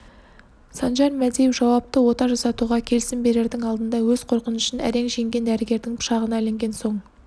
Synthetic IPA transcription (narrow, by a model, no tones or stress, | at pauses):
sɑnʒɑɾmæd̪ejɪfʒɑwɑp̚t̪əwo̞t̪ɑʒɑsɑt̪uʁɑkʲʰe̞lɪsɪmbe̞ɾe̞ɾd̪ɪŋɑlˠd̪ənd̪ɑwɵzqʰo̞ɾqənʏʃənæ̰ɾe̞ŋʒe̞ŋɡʲe̞nd̪æɾɪɡʲe̞ɾd̪ɪŋpʰʊ̥ʃɑʁənɑle̞ŋɡʲe̞nso̞ɴ